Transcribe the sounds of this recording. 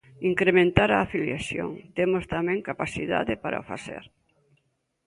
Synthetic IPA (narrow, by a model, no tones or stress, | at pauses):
iŋkɾemẽnt̪aɾaːfiljaθjo̰ŋt̪emost̪amɛ̃ŋkapaθiða̰ðɪpaɾa̰ofa̰θḛɾ